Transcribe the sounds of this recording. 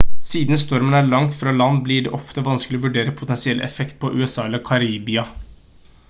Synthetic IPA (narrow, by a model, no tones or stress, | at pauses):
siːd̪nst̪ɔɾmənæɭɑŋt̪fɾɑːlɑnd̪blɪɖɛ̰ʔɔft̪əʋɑnskəlɪɔʋʉɖeːɾəpʰʊt̪ɛnsɪɛlʔɛ̰fɛkt̪̚pʰɔʔʉ̰ːɛsɑːɛlːəɾkʰɑɾiːbɪɑ